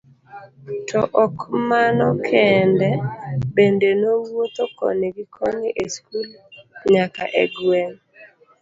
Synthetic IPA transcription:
tʰɔʔɔkmanɔkʰɛndɛbendenowot̪okɔ̰neɡikʰɔniʔeskuloɲaka̰ʔɛɡwɛŋ

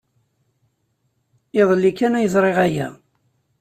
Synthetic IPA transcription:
eðˤlːikːænæjəzˤɾˤeʁæjæ̰

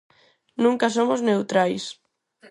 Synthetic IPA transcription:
nũŋkasomoznewt̪ɾajs

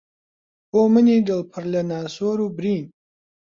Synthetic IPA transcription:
boːmɨniːdəlpʰəɾlɐnaːsoːɾuːbɾiːn

